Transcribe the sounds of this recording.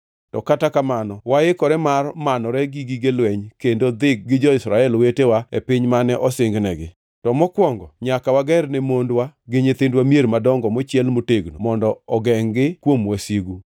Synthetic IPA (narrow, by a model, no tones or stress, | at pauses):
tɔkatakamanɔwaɪkɔɾɛmarmanɔɾɛɡiɡiɡelwɛɲkendod̪ɪk̚ɡɪd͡ʒɔɪsɾaɛlwetewaḛpɪɲmanɛʔɔsɪŋɡnɛɡɪ | tɔmɔkwɔŋɡɔɲakawaɡɛrnɛmondwaɡɪɲet̪endwamjeɾmadɔŋɡɔmɔt͡ʃjɛlmoteɡnomɔndɔɔɡɛŋɡɪkwomwasiɡu